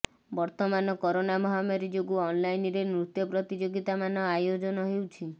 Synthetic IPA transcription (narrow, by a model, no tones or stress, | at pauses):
bɔɾt̪ɔmanɔkɔɾonamɔɦamɔɾid͡ʒoɡuɔnlajnɾenɾut̪jɔpɾɔt̪id͡ʒoɡit̪amanɔajod͡ʒɔnɔɦewt͡ʃʰi